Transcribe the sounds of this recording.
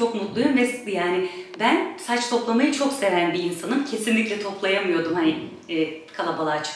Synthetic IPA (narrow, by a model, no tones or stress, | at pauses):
o̞kmut̪lˠujomvɛsjaːnɪbænsat͡ʃt̪ʰo̞plˠamajɯt͡ʃʰo̞kse̞vænbiːnsanɯncʰe̞sinlʲicʲlʲɛt̪ʰo̞plˠajamɯjo̞d̪umhani | ɛːkʰalˠabalˠaːt͡ʃʰ